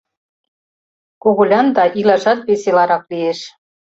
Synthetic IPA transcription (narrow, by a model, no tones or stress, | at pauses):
koɣulʲɑnd̪ɑʔilɑʒɑt̪̚βeselɑɾɑklijeʃ